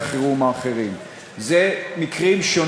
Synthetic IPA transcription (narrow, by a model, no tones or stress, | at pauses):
χiʁumaːχeʁim | zemikʁimʃo̞